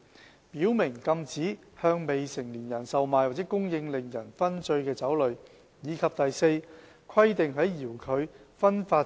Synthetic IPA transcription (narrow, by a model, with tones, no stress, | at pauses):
piː˨˥wmɪ˨˩ŋkɐ˧mt͡siː˨˥ | hœː˧ŋme˨jsɪ˨˩ŋliː˨˩njɐ˨˩nsɐ˨wmaː˨jwa˨t͡sɛː˨˥kʊ˥ŋjɪ˧ŋlɪ˨ŋjɐ˨˩nfɐ˥nt͡sɵ˧ɥkɛː˧t͡sɐ˨˥wlɵ˨˧ɥ | jiː˨˧kʰɐ˨p̚t̪ɐ˨jse˧j | kʰɐ˥jt̪ɪ˨ŋɦɐ˨˥jːiː˨˩wkʰɵ˨˧ɥfɐ˥nfaː˧